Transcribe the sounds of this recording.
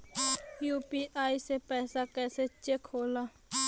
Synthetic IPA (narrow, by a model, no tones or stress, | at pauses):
juːpiːʔaːisepɛːsakɛːset͡ʃekʰhoːlaː